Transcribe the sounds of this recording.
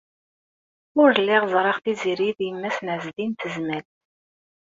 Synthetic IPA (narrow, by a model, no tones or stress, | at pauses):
ʊɾlːɪʁzˤɾˤɑʁθiziɾiðjəmːæsnʕəzðint̪əzmæl